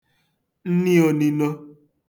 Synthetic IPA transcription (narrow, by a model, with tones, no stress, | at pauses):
n̩˦ni˦o˨ni˨no˦